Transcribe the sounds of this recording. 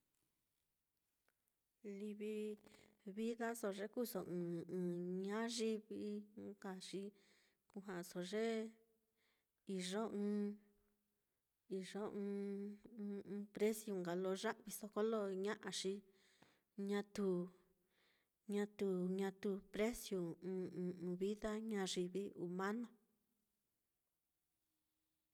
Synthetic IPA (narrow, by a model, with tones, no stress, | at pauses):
li˧βi˧ | βi˦ða˦so˧˨ʐe˦ku˦so˨ʔɨ̃ː˨ɨ̃ː˨ɲã˦ʐi˦βi˧˦ka˨ʂi˦ | ku˧ɦã˨so˨ʐe˦ | i˨ʐo˦ɨ̃ː˧ | i˨ʐo˦ɨ̃ː˧ | pɾe˦sju˧ŋɡa˨lo˧ʐã˦ʔβi˧so˧ko˦lo˦˧ɲã˦ʔã˧ʂi˧ | ɲã˧t̪u˧˨ | ɲã˧t̪u˧ɲã˧t̪u˧pɾe˦sjũ˧˨˧ | βi˦ða˦ɲã˧ʐi˧βi˧ʔu˧mã˦nõ˧